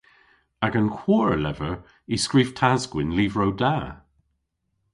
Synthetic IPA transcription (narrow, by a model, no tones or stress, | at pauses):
aɡənkʰw̥ɔːɹəlɛvəɹ | iskɹiːv̥tʰazɡ̥wɪnliːvɹowda